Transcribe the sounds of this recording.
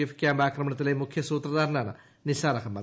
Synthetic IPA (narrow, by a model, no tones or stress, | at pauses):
efi̥kjambaːkɾɐməɳɐt̪ilɐjmukʰjɐsut̪ɾɐd̪aɾnanɐ̰ | nisaɾakʰɐma